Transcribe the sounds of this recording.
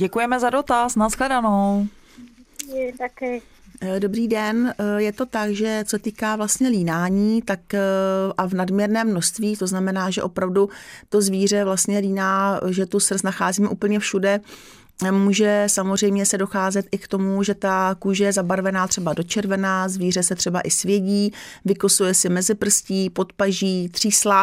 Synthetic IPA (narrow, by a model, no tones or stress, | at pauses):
ɟɛkujɛmɛzado̞t̪asnasklɛdanow | t̪akɪ | do̞bɾiːdɛnjɛt̪o̞t̪akʒɛt͡sɛt̪iːkaːvlast̪ɲɛliːnaːɲiːt̪akʔavnadmɲɛɾnɛːmːno̞st̪viːt̪o̞znamɛnaːʒɛ̰ʔo̞pɾavdut̪o̞zviːr̝ɛvlast̪ɲɛliːnaːʒɛt̪usr̩znaxaːziːmɛuːpl̩ɲɛfʃudɛ | muːʒɛsamozr̝ɛjmɲɛsɛdo̞xaːzɛt̪ʔɪkt̪o̞muʒɛt̪akuːʒɛjɛzabaɾvɛnaːt̪r̥ɛbado̞t͡ʃɛɾvɛnazviːr̝ɛsɛt̪r̝̥ɛbaʔɪsvjɛɟiːvɪkosujɛsɪmɛzɪpr̩sciːpo̞t̪paʒiːt̪r̝̥iːsla